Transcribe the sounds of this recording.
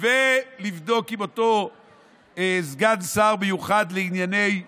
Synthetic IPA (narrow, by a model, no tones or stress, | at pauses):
velivd̪o̞kimo̞to̞ | ezɡadsaʁbejuχad̪leinjane̞j